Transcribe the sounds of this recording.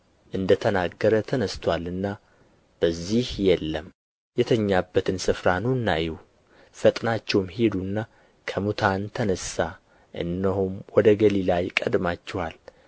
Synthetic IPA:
ʔɨnd̪ət̪ʰənaɡːəɾət̪ʰənəst̪ʰwalɨnːa | b̥əzːihjɛlːəm | jɛt̪ʰəɲːabːət̪ʰɨnsɨfɾanunːa̰jɛw | fət̪ʼnat͡ʃːɛwmhed̪unːa | kʰəmut̪ʰant̪ʰənəsa | ʔɨ̰nːəɦumwɔd̪əɡəlilajkʼəd̪mat͡ʃːɛwal

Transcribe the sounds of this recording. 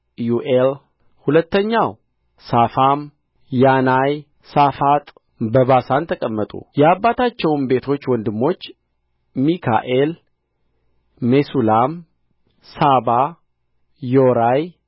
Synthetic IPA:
juʔel | hulət̪ːəɲːaw | safam | janaj | safat̪ʼ | bəβasant̪ʰəkʼəmːət̪ʼṵjɛabːat̪ʰat͡ʃːɛwnbe̞t̪ʰo̞t͡ʃːwɔnd̪ɨmːo̞t͡ʃː | mikʰa̰ʔe̞l | e̞sulam | saba | joɾaj

